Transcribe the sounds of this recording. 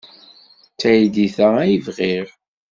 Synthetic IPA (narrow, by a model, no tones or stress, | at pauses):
t͡sæjd̪iθææjivʁɪɾ